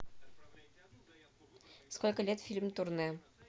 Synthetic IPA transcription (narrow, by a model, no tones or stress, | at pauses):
skolʲkəlʲet̪fʲilʲmt̪uɾnɤ